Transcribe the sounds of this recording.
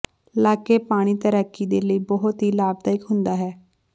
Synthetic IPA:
laːkeːpaːɽ̃iːt̪əɾəkːiːd̪eːləiːbɔɦʊt̪ɦiːlaːb̚d̪aːɪkɦʊnd̪aːɦɛː

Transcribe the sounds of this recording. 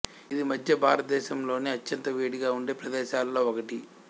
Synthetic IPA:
id̪imɐd̪ʱjɐbʱaːɾɐt̪ɐd̪ɛːʃɐmlo̞ːniɐt͡ʃːɐnt̪ɐʋeːɽiɡaːuɳɖeːpɾɐd̪ɛːʃaːlɐlo̞ːɔkɐʈi

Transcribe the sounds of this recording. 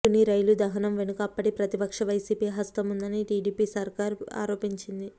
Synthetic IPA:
uniɾɐjlud̪ɐɦɐnɐmʋe̞nukɐpːɐʈipɾɐt̪ipɐkʂɐʋɐjsiːpiːɦɐst̪ɐmund̪ɐniʈiːɖiːpiːsɐɾkaːɾa̰ːɾoːpiɲt͡ʃind̪i

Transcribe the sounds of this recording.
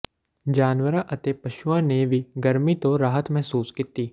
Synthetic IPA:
d͡ʒaːnwəɾãʔɐt̪epɐʃuãːneʋiɡɐɾmit̪oɾaːɦət̪mɛɦsuːskɪt̪iː

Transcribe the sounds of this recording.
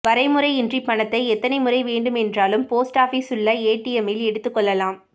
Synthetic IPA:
ʋɐɾɐɪmɯɾɐɪɪndripːɐɳɐt̪ːɐɪɛt̪ːɐnɐɪmɯrɐɪʋeːɳɖɯmɛndraːlɯmpoːsʈaːfiːsɯɭːɐeːʈːijɛmɪlɛɽɯt̪ːɯkːɔɭːɐlaːm

